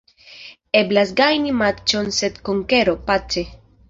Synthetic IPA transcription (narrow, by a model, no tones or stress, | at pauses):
eblasɡajnimat͡ʃonset̪koŋkeɾopat͡ʃe